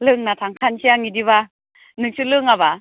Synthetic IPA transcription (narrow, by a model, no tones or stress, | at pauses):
lɯŋnatʰaŋkʰansiaŋidiβa | nɯk̚sulɯŋaβa